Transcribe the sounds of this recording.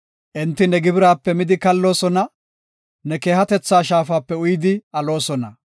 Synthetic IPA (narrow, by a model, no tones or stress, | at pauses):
ʔɪnt̪ːɪnɛɡɪbɪɾaːpːɛmɪd̪ɪkɐlːo̞ːsɔnɐ | nɛke̞ːhɐt̪ɛt͡sːaːʃaːfaːpːɛʊjd̪ɪɐlo̞ːsɔnɐ